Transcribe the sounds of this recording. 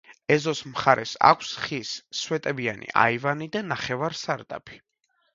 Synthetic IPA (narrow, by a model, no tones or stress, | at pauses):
ɛzɔsmχaɾʔɛ̰sa̰kʷʰsχisːwɛt̪ʼɛbianḭʔa̰ivanid̪anaχɛvaɾsaɾd̪a̰pʰi̥